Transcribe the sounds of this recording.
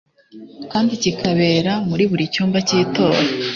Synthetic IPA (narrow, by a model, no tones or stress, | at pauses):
kaːndicikʰaβe̞ːɾamuɾiβuɾicuːmbaciːto̞ːɾa